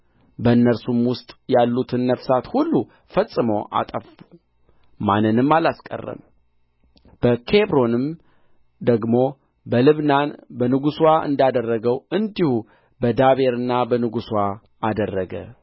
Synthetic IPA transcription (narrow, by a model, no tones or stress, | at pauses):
bəɨnːəɾsumwʊst̪ʼjalːut̪ʰɨnːəfsat̪hulːu | fəsʼːɨməwʔa̰t̪ʼəfu | manːɨnɨmːalaskʼə̰rːə̰m | b̥əkʰe̞bɾo̞nɨm | d̪əɡmo̞ | bəlɨβnanbənɨɡuswaʔɨ̰nd̪ad̪ərːəɡəwɨnd̪ihu | bəd̪aβe̞ɾɨnːabənɨɡuswaː | d̪ərːəɡə̰